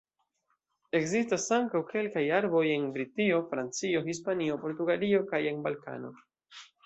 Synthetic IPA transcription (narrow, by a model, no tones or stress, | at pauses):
e̞kzistasaŋkawke̞lkajaɾbo̞je̞nbɾitio̞fɾant͡sio̞hispanio̞po̞ɾtuɡalio̞kaje̞nbalka̰no̞̰